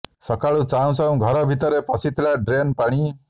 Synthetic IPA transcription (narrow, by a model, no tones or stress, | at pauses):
sʌkaɭut͡saw̃t͡saw̃ɡʱʌɾʌbʱit̪ʌɾepʌsʰit̪ʰlaɖɾenpaɽ̃i